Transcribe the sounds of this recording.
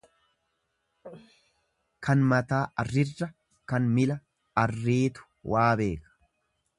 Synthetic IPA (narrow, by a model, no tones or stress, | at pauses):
kʰɐnmɐt̪aːʔɐrːɪrːɐ | kɐnmɪlɐ | ɐrːiːt̪ʊ̥wʔaːbe̞ːkɐ̥